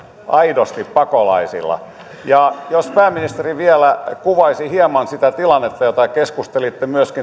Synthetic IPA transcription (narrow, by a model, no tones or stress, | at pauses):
ʔɑidost̪ippɑkolɑ̰isḭlːɑ̰ | jɑjospæːmːinist̪eriʋielækuʋɑisihiemɑnsit̪æt̪ilɑnːet̪ːɑjot̪ɑkeskust̪elit̪ːemyøski